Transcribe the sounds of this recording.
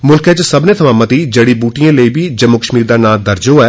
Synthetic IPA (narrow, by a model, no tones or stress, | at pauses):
mʊlket͡ʃsəbnẽːt̪ʰəmãːmət̪iːd͡ʒeːɽiːbuːʈijãːləiːbiːd͡ʒəmːʊkəʃmiːɾd̪aːnaːd̪əɾd͡ʒoːɛː